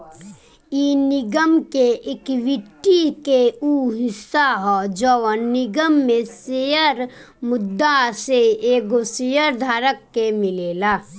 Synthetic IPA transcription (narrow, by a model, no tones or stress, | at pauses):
inɪɡəmkeʔekʋɪʈːikeuɦɪsaɦɔd͡ʒəʋənɪɡəmːẽsejəɾ | mʊd̪ːaseeːkosejəɾd̪ʱaːɾəkːemɪleːla